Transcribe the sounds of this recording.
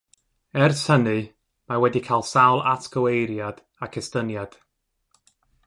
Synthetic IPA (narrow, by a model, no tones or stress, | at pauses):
ɛrshənɨ | mawɛdikʰalˠsawlˠatɡ̥əwejɾjad̥ | akʰɛstənjad̥